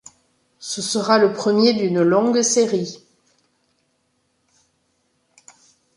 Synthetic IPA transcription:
səsəʁaləpχəmjed̪ynlɔ̃ɡseʁi

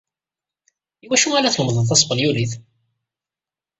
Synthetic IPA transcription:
iwæʃualæθləməðˤəðθɑsˤbənjuliθ

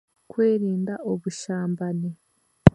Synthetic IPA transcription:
kwe̞ːɾiːndaʔoβuʃaːmbane

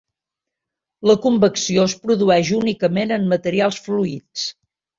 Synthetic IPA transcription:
ləkumbəksioəspɾuðuɛʒunikəmenəmːət̪əɾialˠsfluits

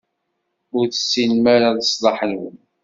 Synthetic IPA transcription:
ʊɾθə̥sːilmaɾaðsˤlˤɑħənwən

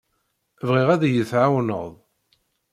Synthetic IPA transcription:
vʁiʁæðjəθʕawnə̰ðˤ

